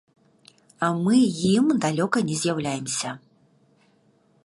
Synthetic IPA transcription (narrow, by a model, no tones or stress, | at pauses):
ɐmɨjimd̪alʲɔkɐnʲɛzʲjawlʲajɛmsʲɐ